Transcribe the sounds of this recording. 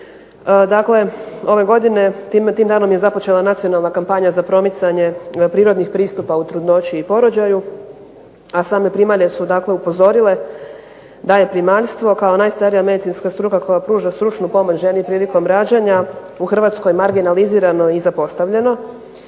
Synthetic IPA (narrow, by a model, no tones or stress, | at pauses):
d̪akle̞o̞ʋe̞ɡo̞d̪ine̞t̪mt̪iːmd̪aːno̞mje̞zapo̞t͡ɕe̞lˠanat̪sio̞nalˠnakampaɲazapɾo̞mit̪saɲe̞pɾiːɾod̪nixpɾiːst̪upaut̪ɾud̪no̞t͡ɕiːpo̞ɾo̞d͡ʑaju | asaːme̞pɾimaʎesud̪aːkle̞upo̞zo̞ɾile̞ | d̪aje̞pɾimaʎst̪ʋo̞kaonaːjst̪aɾijame̞d̪it̪sinskast̪ɾuːkakʰo̞japɾuːʒast̪ɾut͡ʃnupo̞mo̞t͡ɕʒenipɾiːliko̞mɾaːd͡ʑaɲa | uxr̩ʋaːt̪sko̞jmaɾɡinaliziːɾano̞izapo̞st̪aʋʎe̞no̞